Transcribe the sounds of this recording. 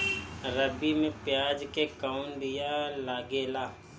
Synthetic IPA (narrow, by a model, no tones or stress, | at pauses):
ɾəbimẽpjaːd͡ʒkekaʊnd̪ijalaːɡeːlaː